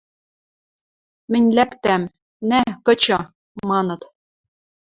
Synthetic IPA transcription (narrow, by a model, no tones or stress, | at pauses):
mɘ̆nʲlækt̪æm | nækɤ̆t͡ɕɤ̆ | mɑnɤ̆t̪